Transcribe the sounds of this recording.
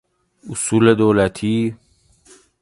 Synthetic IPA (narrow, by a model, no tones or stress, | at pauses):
usuːled̪oːlat̪ʰi